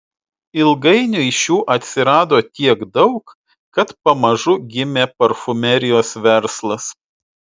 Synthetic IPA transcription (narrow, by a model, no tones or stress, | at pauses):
ɪlˠɡɐɪnʲʊɪʃʲjuːʔɐt̪ʲsʲɪɾɑːd̪oːt̪ʲiɛɡd̪ɒʊk | kɐt̪pɐmɐʒʊɡʲɪmʲeːpɐɾfʊmʲɛɾʲɪjoːsʋʲɛɾslˠɐs